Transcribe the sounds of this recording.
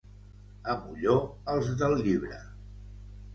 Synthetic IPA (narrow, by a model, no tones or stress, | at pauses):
əmuʎoəlˠzðəlˠʎiβɾə̰